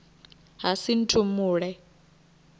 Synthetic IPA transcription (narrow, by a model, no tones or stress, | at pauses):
ɦasin̩tʰʼumuːɺɛ